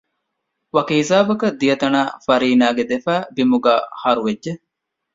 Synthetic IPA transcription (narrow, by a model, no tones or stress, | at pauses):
ʋɐkeizaːbɐkɐd̪ijɐt̪ɐnaːfɐɾiːnaːɡed̪efæːbimuɡa̰ːhɐɾuʋedʒe